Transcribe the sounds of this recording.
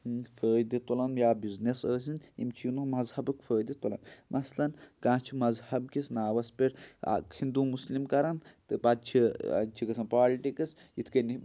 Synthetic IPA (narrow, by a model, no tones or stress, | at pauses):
fəːjd̪it̪olɐnjaːbiznesəːs̬ʲinḭmt͡ʃʰinumɐzhɐbɨkfʰəːjd̪it̪olɐ̰nmʔɐslɐnkãːt͡ʃʰimɐzhɐbkisnaːʋɐspeɾa̰kʰind̪umuslimkɐɾɐnt̪ɨbad̪̚t͡ʃʰḭt͡ʃʰikɐsɐnpaːliʈikɨs | it̪ʰkɐni